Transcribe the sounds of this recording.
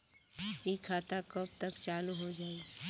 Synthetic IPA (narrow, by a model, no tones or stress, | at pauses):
ikʰaːt̪akəb̚t̪ɐkt͡ʃaːluɦod͡ʒaːi